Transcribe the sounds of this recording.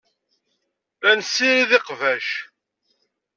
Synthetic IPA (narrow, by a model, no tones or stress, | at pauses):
ænsːiɾiðɪqvæʃ